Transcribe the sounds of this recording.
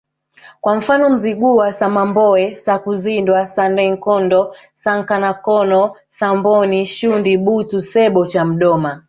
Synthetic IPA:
kwam̩fanɔm̩ziɡuwasamambɔɛsakuzindwasandɛŋkɔndɔ | saŋ̩kanakɔnɔ | sambɔniʃundiɓutusɛɓɔt͡ʃam̩ɗɔma

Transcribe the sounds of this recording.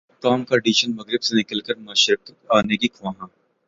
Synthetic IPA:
ʈaːmkaɖiːʃənmɐɡɾɪbsenɪkəlkəɾmaːʃɾəiaːnekikʰʋãːɦãː

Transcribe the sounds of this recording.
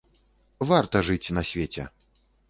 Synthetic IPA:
vart̪ɐʐɨt͡sʲnɐsʲvʲet͡sʲɛ̰

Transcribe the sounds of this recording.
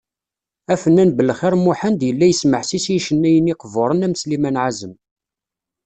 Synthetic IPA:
æfənːænbəlχɪɾmuħənd̪jəlːæjəsməħsisiʃənːæjəniqəvoɾˤənæməslimænʕazəm

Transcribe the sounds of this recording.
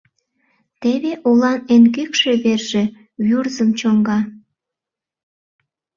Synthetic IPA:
t̪eβeʔulɑnenɡykʃeβerʒe̽ | βurzəmt͡ɕoŋɡɑ

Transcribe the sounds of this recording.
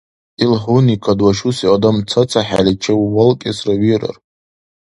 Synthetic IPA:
ilħonikʰadwaʃusiadamt͡sʰat͡sʰaħa̰lʲit͡ʃʰawwalkʲʼasraɥiɾa̰r

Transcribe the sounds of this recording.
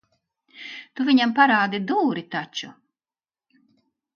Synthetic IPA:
t̪uvʲiɲampaɾaːd̪id̪uːɾit̪at͡ʃu

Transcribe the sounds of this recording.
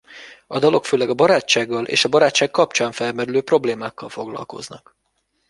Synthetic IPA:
ɒd̪ɒlo̞kføːlɛɡɒbɒɾaːt͡ʃːaːɡːɒlʔḛːʃɒbɒɾaːt͡ʃːaːkːkɒpt͡ʃaːɱfɛlmɛɾyløːpro̞bleːmaːkːɒlfo̞ɡlɒ̰lko̞̰znɒk

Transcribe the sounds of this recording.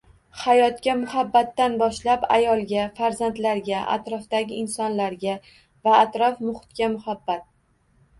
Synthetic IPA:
hajɒt̪kʲamʊhabːat̪ːanbɒʃlapa̰jɒlˠɡʲafaɾzant̪laɾɡʲaʔa̰t̪ɾɒfd̪aɡʲɪɪnsɒnlaɾɡʲa | vaːt̪ɾɒfmʊhɪt̪̚kʲamʊhabːat̪̚

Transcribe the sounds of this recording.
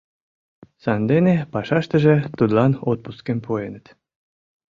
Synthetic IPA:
sɑnd̪enepɑʃɑʃt̪ə̆ʒĕt̪ud̪lɑnot̪̚puskempʰoenət̪

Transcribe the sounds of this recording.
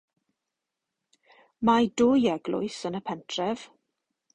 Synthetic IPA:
madʊːjɛɡlʊ̰ɨsənəpʰɛntʰrɛv̥

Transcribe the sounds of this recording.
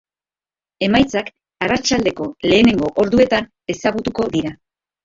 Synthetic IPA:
e̞majt͡sak | arat͡ʃald̪e̞ko̞le̞ːne̞ŋɡo̞ʔoɾðue̞t̪an | e̞saɣ̞ut̪uko̞ðiɾa

